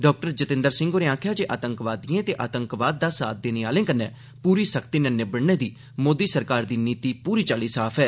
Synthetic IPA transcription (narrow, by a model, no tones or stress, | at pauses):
ɖɔːk̚ʈəɾd͡ʒət̪ɪ̃nd̪əɾsɪ̃ŋɡoːɾeːãːkʰjaːd͡ʒeːʔaːt̪əŋkʋaːd̪iːẽːt̪eːʔaːt̪əŋkʋaːd̪̚ːaːsa̰ːt̪̚d̪eːneːaːlẽːkənːɛː | puːɾiːsəkʰt̪iːnɛːneːbəɽneːd̪iː | moːd̪iːsəɾkaːɾd̪iːniːt̪iːpuːɾiːt͡ʃaːliːsaːpʰɛː